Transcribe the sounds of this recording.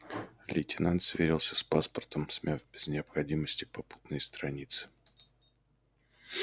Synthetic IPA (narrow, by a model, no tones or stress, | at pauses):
lʲɪtʲɪnant̪svʲeɾʲɪlˠsʲəspaspərt̪əmsʲmʲʔavbʲɪznʲɪəpxɐdʲiməsʲtʲɪpɐpu̥t̪nɨjst̪ɾɐnʲit̪sɨ̥